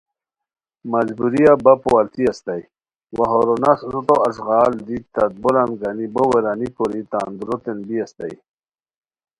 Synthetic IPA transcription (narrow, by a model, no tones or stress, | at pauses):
mazbuɾijabapowalt̪iast̪aj | waɦoɾonasɾut̪oɐsɣaːld̪it̪ɐt̪̚bolanɡaniboweɾanikoɾit̪aːnd̪uɾot̪enbiast̪a̰j